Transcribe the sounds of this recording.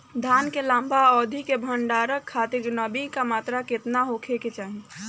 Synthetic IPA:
d̪ʱaːnkelãːmbʱaɔːd̪ʱikebʱəɳɖaːɾəkʰːaːt̪ɪɾɡnəbikamaːt̪ɾakɪt̪naɦoːkʰeket͡ʃaːɦĩ

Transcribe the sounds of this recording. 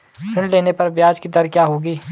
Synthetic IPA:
pʰɪ̃ɳɖleːnepɐɾbjaːd͡ʒkid̪ɐɾkjaːɦoːɡiː

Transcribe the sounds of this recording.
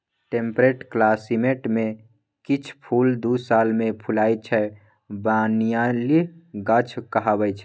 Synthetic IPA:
ʈempɾeʈklasimeʈme | kit͡ʃʰpʰuld̪usalmepʰulajt͡ʃʰɛ | banijaliɡət͡ʃʰkəɦabəjt͡ʃʰɛ

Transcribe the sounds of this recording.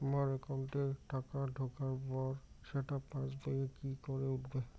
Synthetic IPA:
maɹɛkanʈɛʈakadʱokaɹbɔɹ | sɛʈapãsbajɛkikɔɹɛutbɛ

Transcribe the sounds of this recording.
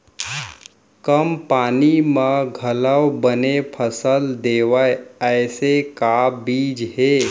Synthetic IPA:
kəmpaːnimə̃ɡʱələwbənepʰəsəld̪eːʋajəːsekabiːd͡ʒɦeː

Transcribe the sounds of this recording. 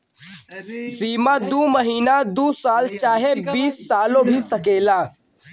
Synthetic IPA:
siːmad̪uːməɦiːnad̪uːsaːlt͡ʃaːɦebiːsːaːlõbʱisɐkeːlaː

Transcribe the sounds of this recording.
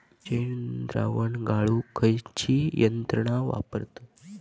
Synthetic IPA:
t͡ɕend̪ɾa̰ʋəɳɡaɭukʰəjt͡ɕijənt̪ɾəɳ̃aʋa̰pəɾt̪a

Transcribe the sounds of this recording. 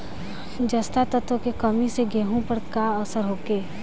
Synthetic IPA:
d͡ʒɐst̪at̪ət̪okekəmiseɡeɦõpəɾkaəsəɾɦoːkeː

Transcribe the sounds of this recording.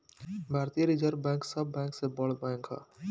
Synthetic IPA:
bʱaːɾt̪ijəɾid͡ʒəɾbɛ̃ːŋksəbːɛ̃ːŋksebɔɭbɛ̃ːŋkɦa̰ː

